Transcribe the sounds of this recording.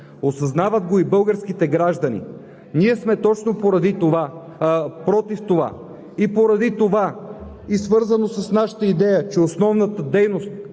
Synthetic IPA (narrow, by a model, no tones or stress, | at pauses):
osɐznavəd̪ɡoibɤlˠɡəɾsk̟it̪ɛɡɾaʒd̪ɐnḭ | niɛsmɛt̪ɔt͡ʃnopoɾɐd̪it̪ova | pɾɔt̪ift̪ova̰ | ipoɾɐd̪it̪ova | isvɤɾzənosɐsnaʃə̥t̪əid̪ɛjət͡ʃɛosnɔvnət̪əd̪ɛjnost̪̚